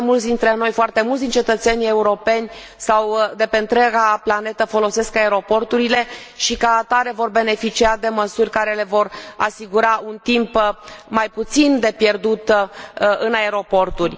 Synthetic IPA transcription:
mult̪sʲd̪int̪ɾe̞no̞jfoart̪e̞mult̪d̪int͡ʃet̪ət̪se̞nʲie̞uɾo̞pe̞nʲ | sawd̪e̞pe̞ɨnt̪ɾʲaɡaplane̞t̪əfo̞lo̞se̞skae̞ɾo̞po̞rt̪uɾile̞ | ʃikaːt̪aɾe̞vo̞rbe̞ne̞fit͡ʃiad̪e̞məsurʲkaɾe̞le̞vo̞ra̰siɡuɾaʔunt̪impmajput̪sind̪e̞pje̞rd̪ut̪ | ɨnae̞ɾo̞po̞rt̪urʲ

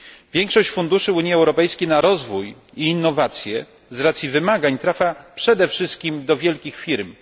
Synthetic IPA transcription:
vʲjɛŋkʂɔɕt͡ɕfund̪uʂɘuɲiɛwɾɔpɛjskʲejnaɾɔzvuj | iːnːɔvat̪sʲjɛ | zɾat̪sʲjivɘmaɡaɲt̪ɾafʲjapʂɛd̪ɛfʂɘst̪̚kʲimd̪ɔvʲjɛlkʲixfʲiɾm

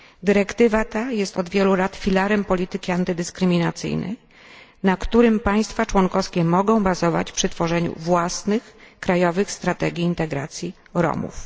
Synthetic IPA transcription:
d̪ɘɾɛkt̪ɘvat̪ajɛst̪ɔd̪vʲjɛlulat̪fʲilaɾɛmpɔlʲit̪ɘkʲiant̪ɘd̪ɘskɾɘmʲinat̪sɘ̰jnɛ̰ | nakt̪uɾɘmpaj̃st̪fat͡ʂwɔŋkɔfskʲɛmɔɡɔ̃w̃bazɔva̰t͡ɕfpʂɘt̪fɔʐɛɲṵvwasnɘxkɾajɔvɘxst̪ɾat̪ɛɡʲiːnt̪ɛɡɾa̰t̪sʲji | ɾɔ̰mṵf

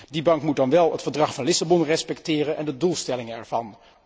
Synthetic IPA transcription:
dibɑŋkmut̚dɑnʋɛlˠətfəɹdrɑχfɑnlɪsabɔnrɛspɛktɪːrənʔɛndədulˠstɛlɪŋənɛ̰ɹvɑn

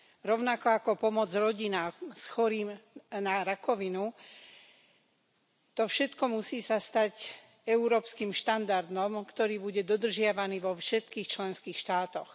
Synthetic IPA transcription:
ɾɔʊnakɔakɔpɔmɔd͡zɾɔɟinaːmsxɔɾiːmnaɾakɔʋinu | t̪ɔfʃɛt̪kɔmusiːsast̪ac | ɛuɾɔːpskimʃt̪and̪aɾd̪nɔmkt̪ɔɾiːbuɟɛd̪ɔd̪r̩ʒɪaʋaniːʋɔfʃɛt̪kiːxt͡ʃlɛnskiːxʃt̪aːt̪ɔx

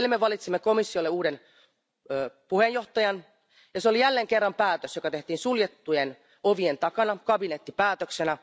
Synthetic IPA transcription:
limːeʋɑlit̪simːeko̞misːiolːeuːden | øːpuhejjo̞ht̪ɑjɑn | jɑseolijælːeːŋkerːɑmpæːt̪øsjokɑt̪e̞ht̪iːnsuljet̪ːujen | oʋient̪ɑkɑnɑkɑbinet̪ːipæːt̪øksenæ

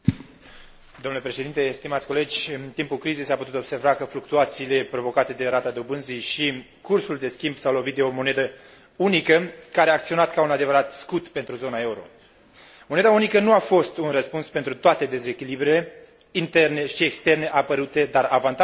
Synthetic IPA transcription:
d̪omnlepɾe̞ʃeint̪e̞st̪imat̪sʲko̞le̞d͡ʒʲɨnt̪impulkɾize̞jsaput̪ut̪o̞bse̞rvakəfluk̚t̪uat̪siːle̞pɾo̞vo̞kat̪e̞d̪e̞ɾat̪ad̪obɨnzijʃi | kursuld̪e̞skʲimbsawlo̞vit̪̚d̪eo̞mo̞ne̞d̪ə | unikəkaɾeaːkt̪sio̞nat̪kaunad̪e̞vəɾat̪skut̪pe̞nt̪ɾuzonae̞uɾo̞̰ | mo̞ne̞d̪aunikənuafo̞st̪unrəspunspent̪ɾut̪oat̪e̞d̪e̞ze̞kʲilibɾele̞ | int̪e̞rne̞ʃiekst̪e̞rne̞ʔapəɾut̪e̞d̪aravant̪a

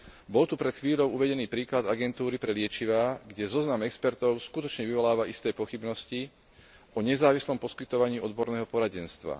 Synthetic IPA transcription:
bɔlt̪upɾɛt̪xʋiːʎɔʊuʋɛɟɛniːpɾiːklad̪aɡɛnt̪uːɾipɾɛlɪɛt͡ʃiʋaːɡɟɛzɔznamɛkspɛɾt̪ɔʊskut̪ɔt͡ʃɲɛʋiʋɔlaːʋaist̪ɛːpɔxibnɔsci | ʔɔɲɛzaːʋislɔmpɔskit̪ɔʋaɲiːɔd̪bɔɾnɛːɦɔpɔɾaɟɛnst̪ʋa̰

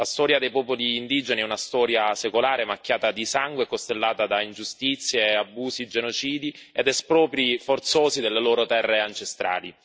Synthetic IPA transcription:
last̪ɔːɾjad̪ejpɔːpoliːnd̪id͡ʒeniɛunast̪ɔːɾjasekolaːɾemakʲːjaːt̪ad̪isaŋɡwekost̪elːaːt̪ad̪aind͡ʒust̪it̪sːjeabːuːzid͡ʒenot͡ʃiːd̪ied̪ɛspɾɔːpɾifort̪soːzid̪elːeloːɾot̪ɛrːeant͡ʃest̪ɾa̰ːli

